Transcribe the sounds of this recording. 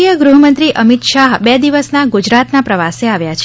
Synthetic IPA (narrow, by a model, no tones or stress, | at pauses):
ijəɡɾuɦəmənt̪ɾiʔəmit̪ʃaɦbɛd̪iʋəsnaɡud͡ʒɾat̪napɾəʋaseaʋjat͡ʃʰ